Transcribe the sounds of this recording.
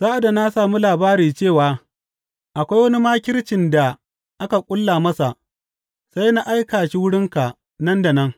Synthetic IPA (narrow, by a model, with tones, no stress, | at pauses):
zaː˦ʔa˨da˨na˦saː˨mu˦laː˨baː˦ɾiː˨t͡ʃeː˦˨waː˨ | ʔa˨kʷa˦jwɐ˦ni˦maː˦kʲɪ˦ɽt͡ʃɪ˨nda˨ | ʔa˦ka˨kʷʼʊ˦lːaː˨mɐ˦sa˨ʔ | sa˦jna˦ʔa˦jkaː˨ʃi˦wʊ˦ɽɪ˦ŋka˨ | nɐ˦nda˨nɐ˦ŋ